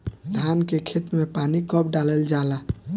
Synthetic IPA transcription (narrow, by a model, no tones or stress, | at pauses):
d̪ʱʰankekʰet̪mepanikəbɖaləld͡ʒala